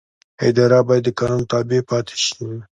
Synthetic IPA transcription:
ɪd̪ɑɾabɑjad̪ːəkɑnunot̪ɑbepɑt̪ʰe̥ʃim

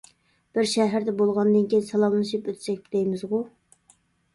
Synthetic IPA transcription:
b̥ɪɾʃɛɦæɾd̪ɛbolˠʁɑnd̪ɨnkʲijnsɛlˠɑmlɨʃipøt̪ʰt͡ʃɛk̚ʲbɪd̪ejmɪzʁʊ

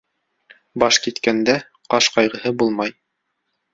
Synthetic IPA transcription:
bɑʃkit̪kænd̪æ | qɑʃqɑjʁɤ̆hɤbulˠmɑj

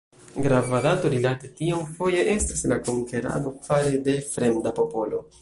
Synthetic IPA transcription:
ɡɾavadato̞ɾilate̞tiomfo̞je̞ʔe̞staslakoŋke̞ɾa̰ɡo̞kv̥aɾe̞de̞fɾe̞mdapo̞po̞lo̞

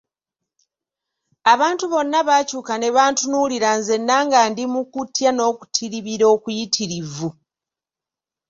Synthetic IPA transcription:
aβaːntuβo̞nːaβaːcuːkane̞βaːntunuːliɾanze̞nːaːŋɡaːndimukutːjano̞ːku̥tʰiɾiβiɾo̞ːkujitʰiɾivu

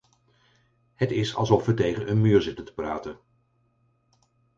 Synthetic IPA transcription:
hətɪsɑ̰lˠzɔfʋətejχənʔənmyːɹzɪtəntə̥praːtən

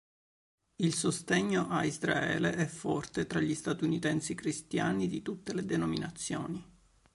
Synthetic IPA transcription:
ilsost̪eɲːoʔaizɾa̰ɛ̰ːleʔɛfːɔrt̪et̪ɾaʎːist̪at̪unit̪ɛnsikɾist̪jaːnid̪it̪ut̪ːeled̪enominat̪sːjoːni

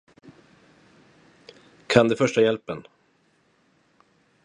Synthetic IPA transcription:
kʰand̪ɛfœʂʈajɛlpən

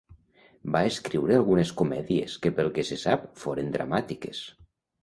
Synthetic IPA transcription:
baeskɾiwɾealˠɣuneskomɛðiḛskepelˠkesesapfoɾend̪ɾa̰mat̪ikes

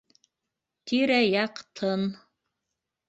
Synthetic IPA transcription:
t̪iɾæjɑqt̪ʰɤn

